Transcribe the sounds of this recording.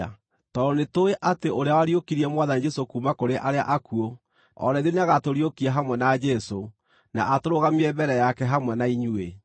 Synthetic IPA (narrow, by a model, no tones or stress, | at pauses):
tɔɾɔnetoeʔateʔoɾeawaɾiokiɾiɛmwaðanid͡ʒɛsokuːmakoɾeʔaɾea̰ʔakuo | ɔ̰ɾɛðeneaɣatoɾiokiaɦamwɛnad͡ʒɛso | na̰ʔatoɾoɣamiɛbɛɾɛjakɛɦamwɛnaiɲue